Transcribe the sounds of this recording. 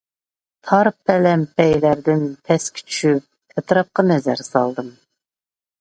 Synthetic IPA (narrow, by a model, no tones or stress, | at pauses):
t̪ʰɑɾpʰɛlɛmpɛjlæɾd̪ɪnpʰɛskʲʰi̥t͡ʃʰy̥ʃyp̚ʰ | ɛt̪ɾɑp̚qɑnɛzæɾsɑlˠd̪ɨm